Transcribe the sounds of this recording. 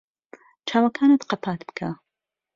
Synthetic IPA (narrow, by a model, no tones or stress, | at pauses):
t͡ʃʰaːwakʰaːnɨt̪qɑpʰaːt̪bɨ̥kʰa